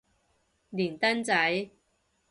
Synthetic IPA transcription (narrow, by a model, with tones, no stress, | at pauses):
liː˨˩nt̪ɐ˥nt͡sɐ˨˥j